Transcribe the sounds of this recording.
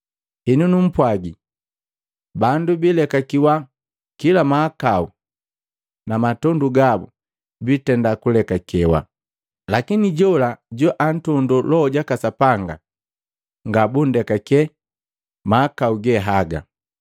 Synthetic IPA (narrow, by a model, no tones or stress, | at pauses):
hɛnunum̩pwaɡi | bandubilɛkakiwa | kilamaːkau | namatɔnduɡabṵ | bitɛndakulɛkakɛwa̰ | lakiniɟɔlaɟɔʔan̩tɔndulɔɟakasapaŋɡa̰ | ŋɡabundɛkakɛ | maːkauɡɛɦaɡa̰